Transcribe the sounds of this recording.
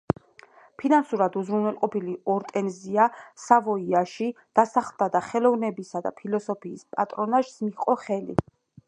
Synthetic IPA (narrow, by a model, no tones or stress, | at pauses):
pʰinansuɾad̪uzɾunwɛlˠqʼɔpiliɔɾt̪ʼɛnziasavɔiaʃid̪̥asaχlˠd̪ad̪aχɛlɔvnɛbisad̪a̰pʰilɔsɔpʰiːspʼa̰t̪ʼɾɔnaʃsmiqʼɔχɛlḭ